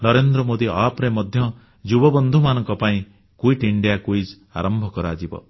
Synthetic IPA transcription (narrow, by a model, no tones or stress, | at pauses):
nɔɾend̪ɾɔmod̪iapɾemɔd̪ʱjɔ | d͡ʒubɔbɔnd̪ʱumanɔŋkɔpaĩ | kuiʈiɳɖijakuid͡ʒ | a̰ɾɔmbʱɔkɔɾɔad͡ʒibɔ̰